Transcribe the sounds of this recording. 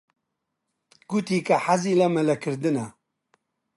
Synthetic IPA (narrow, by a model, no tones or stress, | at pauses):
ɡ̥ut̪iːkɐħaziːlɐmɐlɐkʰɨɾd̪ɨnɐ